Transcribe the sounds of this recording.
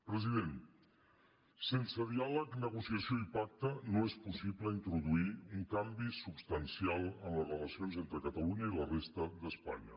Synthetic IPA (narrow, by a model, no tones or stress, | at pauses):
pɾəziðen | sensəð̞ialəknəɣ̞usiəsioipak̚t̪ənoespusipləint̪ɾuðuiuŋkambisupst̪ənsialˠənləzrələsionzent̪ɾəkət̪əluɲəilərest̪əd̪əspa̰ɲə̰